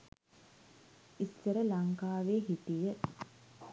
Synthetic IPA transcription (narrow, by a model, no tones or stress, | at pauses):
isːəɾəlaŋkaːʋeːɦit̪ijə